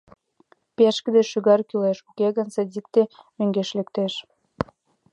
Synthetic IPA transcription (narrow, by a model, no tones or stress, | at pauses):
peʃkəd̪eʃyɣɑrkyleʃukeɣɑnsɑd̪ʲik̚t̪emøŋɡeʃlekt̪eʃ